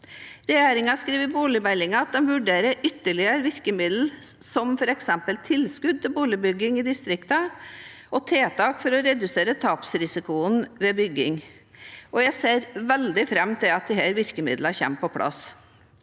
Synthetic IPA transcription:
ɾɛjeːɾɪŋɑskɾiːʋəbuːlɪbælɪŋɑɑt̪̚d̪ɛmʋʉɖeːɾəʔʏt̪ːəɭɪəɾʋɪɾkəmɪd̪l̩sɔmfɔɾɛksɛmpəlt̪ʰɪlskʉd̪̚t̪ɪlbuːlɪbʏɡɪŋɪd̪ɪst̪ɾɪkt̪ə | ɔt̪ʰeːt̪ʰɑːkfɔɾɔɾɛd̪ʉseːɾət̪ʰɑːpsɾɪsɪkʊənʋɛbʏɡːɪŋ | ɔjæɪseːɾʋɛld̪ɪfɾɛmt̪ʰɪlɑt̪̚d̪ɪhæːɾʋɪɾkəmɪ̰d̪ləçɛ̰mpɔpʰɽʔɑ̰s

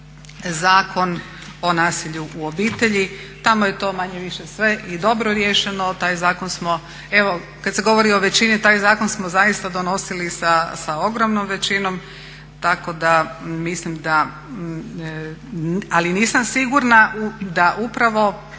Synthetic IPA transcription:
zaːkʰo̞n | o̞naːsiʎuʔuo̞biːt̪e̞ʎit̪amoje̞t̪o̞maɲeʋiʃesʋe̞ʔid̪o̞bɾoɾjeːʃenot̪aːjzaːkonsmo | eʋo̞ | kad̪se̞ɡo̞ʋo̞ɾio̞ʋe̞t͡ɕinit̪aːjzaːko̞nsmozajist̪ad̪o̞no̞silisasao̞ɡɾomnomʋe̞t͡ʃino̞m | t̪ako̞d̪amislimd̪a | aliniːsamsiɡuɾnaud̪aʔupɾaʋo̞

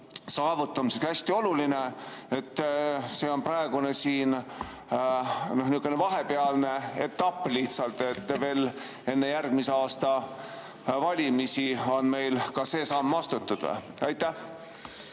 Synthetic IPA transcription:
sɑːvut̪ːˑɑmiseksæsʲt̪io̞luline̞et̪ːse̞ːo̞npɾɑeɡ̥une̞siːn | no̞hniukːˑenevɑɦe̞peɑlne̞et̪ːɑpːˑliht̪sɑlt̪ˑːe̞t̪ːve̞ːl | e̞nːe̞jærɡ̥̚mise̞ɑːst̪ɑ | vɑlʲimisio̞nme̞jlkɑse̞ːsɑːmːɑst̪ut̪ːud̪̥̰ | ɑjt̪ːæh

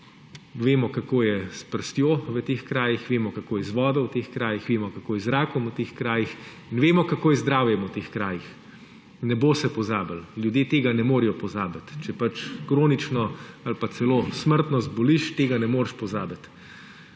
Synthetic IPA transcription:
ʋeːmɔkakoːjɛspəɾst̪joːʋət̪eːxkɾaːjixʋeːmɔkakoːjɛzʋɔːd̪ɔwt̪eːxkɾaːjixʋeːmɔkakoːjɛzɾaːkɔmut̪eːxkɾaːjix | inʋeːmɔkakoːjɛzd̪ɾaːwjɛmut̪eːxkɾaːjix | nɛboːsɛpɔzaːbəllʲjud̪jeːt̪eːɡanɛmoːɾijɔpɔzaːbat̪t͡ʃɛpat͡ʃkɾoːnit͡ʃnɔalpasɛlosməɾt̪nɔzbɔliʃt̪eːɡanɛmoːɾʃpɔzaːbat̪

